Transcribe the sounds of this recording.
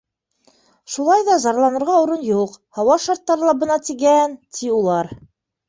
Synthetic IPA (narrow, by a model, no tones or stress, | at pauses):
ʃulˠɑjðɑzɑɾlˠɑnɤ̆ɾʁɑuɾɤnjuqhɑwɑʃɑɾt̪ːɑɾɤlˠɑbɤ̆nɑt̪iɡænt̪ʰiulˠɑɾ